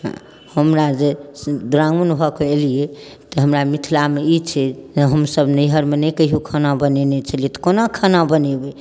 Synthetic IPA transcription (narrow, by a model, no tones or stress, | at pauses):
ɦ | həmɾad͡ʒed̪ɾãŋɡmənbʱɔkeelie | t̪ɔɦəmɾamit̪ʰilameit͡ʃʰɛɦəmsəbnəjɦəɾmenəkəiɦukʰənabənenɛt͡ʃʰəliet̪ɔ̥konakʰənabənebɛ